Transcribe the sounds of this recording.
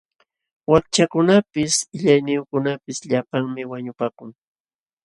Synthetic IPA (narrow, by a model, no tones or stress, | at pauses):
wak̚t͡ʃakʊnapɪsɪʎajnɪjʊkʊnapɪsʎapaŋmɪwaɲʊpaːkʊŋ